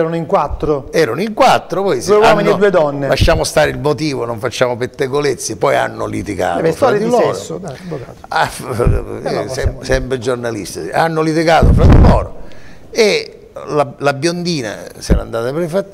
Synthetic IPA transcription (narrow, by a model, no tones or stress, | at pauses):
ɛɾonoiŋkwat̪ːɾoɛːɾonoiŋkwat̪ːɾopɔjsduewwanminːed̪uːed̪ɔnːelaʃːaːmʊst̪aːɾɪilmot̪iːvonoɱfat͡ʃːaːmopet̪ːeɡolet̪sːipːɔja̰nːʊlit̪iɡa̰ːt̪ofɔaɾd̪ilɔːɾosoa | af | sɛsɛmpɾed͡ʒornalḭst̪aa̰nːʊlit̪̬iɡaːt̪ofɾad̪ilɔːɾo̰ | e | lalabjond̪iːna̰sɛ̰ːɾa̰nd̪aːt̪apɾfat̪ː